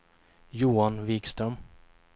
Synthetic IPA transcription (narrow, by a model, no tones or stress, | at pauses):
juːanviːkst̪ɾœm